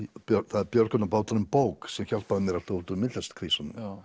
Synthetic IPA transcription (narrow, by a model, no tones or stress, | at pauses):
pθaðɛɾpjœɾkʏnapaːwt̪aɾʏmpoːwksɛmçal̥t̪̚paɾamjɛɾḁt̪ɔut̪ʏmɪt̪lɛst̪kʰɾisanʏ̰m